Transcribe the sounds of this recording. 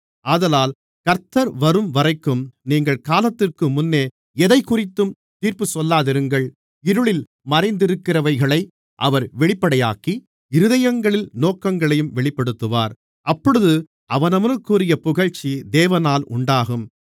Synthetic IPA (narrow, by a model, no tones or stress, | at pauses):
aːðɐlaːl | kɐɾt̪ɐɾʋɐɾɯmʋɐrɐɪkːɯmniːŋɡɐɭkaːlɐt̪ːɪrkɯmʊnːeː | ɛðɐɪkʊrɪt̪ːɯm | t̪iːɾpɯsɔlːaːðɪɾɯŋɡɐɭ | ɪɾɯɭɪl | mɐɾɐɪnd̪ɪɾɯkːɪrɐʋɐɪɣɐɭɐɪ | ʔɐʋɐɾʋɛɭɪpːɐɽɐjaːki | ɪɾɯðɐjɐŋɡɐɭɪlnoːkɐŋɡɐɭɐjɯmʋɛɭɪpːɐɽɯt̪ːɯʋa̰ːɾ | ʔɐpːɔɽɯðɯ | ʔɐʋɐnɐʋɐnɯkːuːrɪjɐpʊɣɐɻt͡ʃːid̪eːʋɐnaːlʔʊɳɖaːɣɯm